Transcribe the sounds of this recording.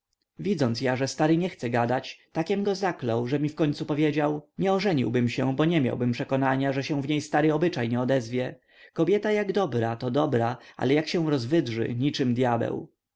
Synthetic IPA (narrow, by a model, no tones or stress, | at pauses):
vʲid̪zɔnt̪sjaʐɛst̪aɾɘɲɛxt̪sɛɡad̪at͡ɕt̪akʲɛmɡɔzaklɔwʐɛmʲifkɔɲʲt̪supɔvʲjed͡ʑawɲɛɔʐɛɲḭwbɘmɕɛbɔɲɛmʲja̰wbɘmpʂɛkɔnaɲaʐɛɕɛ̃w̃vɲejst̪aɾɘɔbɘt͡ʂajɲɛɔd̪ɛzvʲjɛ | kɔbʲjɛt̪ajaɡd̪ɔbɾat̪ɔd̪ɔbɾaʔa̰lɛjakɕɛ̃w̃ɾɔzvɘdʐɘ̰ɲit͡ʂɘmd̪jabɛ̰w